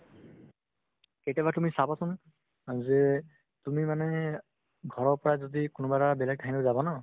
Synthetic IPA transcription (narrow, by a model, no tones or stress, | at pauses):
ketabatumisabasʊn | zɛ | tumimanɛ | ɡʱɔɹɔɹpɔɹazodikʊnʊbaɹabɛlɛɡ̚tʰaɦinozabɔna